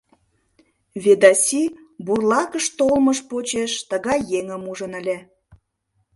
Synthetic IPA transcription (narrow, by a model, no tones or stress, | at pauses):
βed̪ɑsʲiburlɑkəʃt̪olməʃpot͡ɕeʃt̪əɣɑjːeŋəmuʒənəlʲe